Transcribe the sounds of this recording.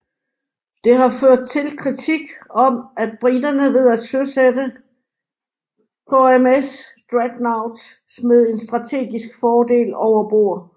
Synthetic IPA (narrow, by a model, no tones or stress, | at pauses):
d̥e̝ɦɑ̈føɐ̰d̥̚t͡sʰe̝lkʰʁit͡sʰiɡ̥ɒ̽mæd̥̚b̥ʁidɐnəʋe̝ð̞̰ˠæ̥søsedə | pʰɒ̽emesd̥ʁæɡ̥näʊd̥ | smeðˠe̝nsd̥ʁɑ̈t͡sʰe̝̰ːɡ̥isɡ̥fɒːd̥e̝̰ːlɒʊɐb̥o̝̰ːɐ̰